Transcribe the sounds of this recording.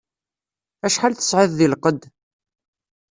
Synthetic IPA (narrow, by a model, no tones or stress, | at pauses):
æʃħalθə̥sʕɪððilqəd̪